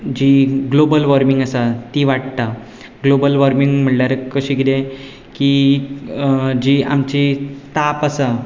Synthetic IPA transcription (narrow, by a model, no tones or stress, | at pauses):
d͡ʑiɡlobəlʋaɾmiŋɡəsat̪iʋaʈt̪a | ɡlobəlʋəɾmiŋɡm̤əɳljaɾəkəɕiːkid̪ẽ | ki | d͡ʑiːa̰mt͡ɕit̪apəsa